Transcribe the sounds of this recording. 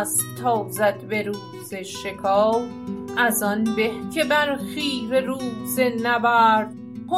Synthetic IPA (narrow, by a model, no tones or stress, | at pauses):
s | t̪ʰːɒːzæd̪be̞ɾuːz̥eʃekʰɒːw | ʔæzɒnbehcʰebæɾxiːɾeɾuːzenæbæɾd̪ | ho